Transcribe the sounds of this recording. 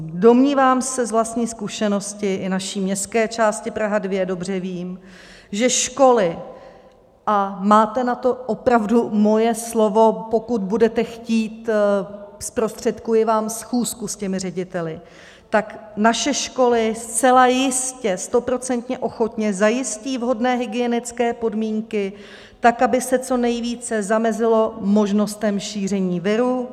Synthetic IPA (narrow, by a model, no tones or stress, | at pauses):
do̞mɲiːvaːmsɛzvlast̪ɲiːskuʃɛno̞scɪʔɪnaʃiːmɲɛst̪kɛːt͡ʃaːscɪpɾaɦadvjɛdo̞br̝ɛviːm | ʒɛʃko̞lɪ | ʔamaːt̪ɛnat̪o̞ʔopɾavdumo̞jɛslo̞vo̞po̞kut̪̚budɛt̪ɛxciːt̪ | spɾo̞st̪r̝̥ɛt̪kujɪvaːmsxuːskuscɛmɪr̝ɛɟɪt̪ɛlɪ | t̪aknaʃɛʃko̞lɪst͡sɛlajɪscɛst̪o̞pɾo̞t͡sɛnt̪ɲɛʔo̞xo̞t̪ɲɛzajɪsciːvɦo̞dnɛːɦɪɡɪɛnɪt͡skɛːpo̞dmiːŋkɪ | t̪akabɪsɛt͡so̞nɛjviːt͡sɛzamɛzɪlo̞mo̞ʒno̞st̪ɛmʃiːr̝ɛɲiːvɪɾu